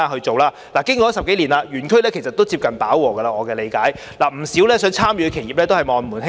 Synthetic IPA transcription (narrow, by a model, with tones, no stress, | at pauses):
a˧hɵ˧t͡so˨wlaː˧ | laː˨˩kɪ˥ŋkɔ˨˦˥sɐ˨p̚ke˨˥jliː˨˩naː˧jyː˨˩nkʰɵ˥ɥlɛː˥kʰe˨˩jsɐ˨t̪o˥wt͡siː˧p̚kɐ˨npaː˨˥wːɔː˨˩kɐ˧laː˧ŋɔː˨˧kɛː˧le˨˧jkaː˨˥j | laː˨˩m̩˨˩siː˨˥wlɛː˥sœː˨˥ŋt͡sʰaː˥mjy˨˧kʰe˨˩jiː˨p̚lɛː˥t̪o˥whɐ˨jmɔː˨nmuː˨˩nɦ